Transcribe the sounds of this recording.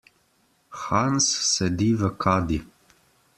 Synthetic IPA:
xaːnssɛd̪iːvəkʰaːd̪i

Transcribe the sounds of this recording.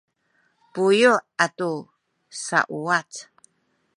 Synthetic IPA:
pujuatu | sa̰ʔuat͡s

